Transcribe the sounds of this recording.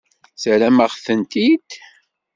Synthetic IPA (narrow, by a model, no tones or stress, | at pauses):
səɾæməʁθənt̪id̪̥